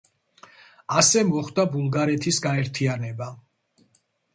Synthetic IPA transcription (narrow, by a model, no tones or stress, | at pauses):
asɛmɔχd̪abulˠɡaɾɛt̪ʰisɡaɛɾt̪ʰianɛba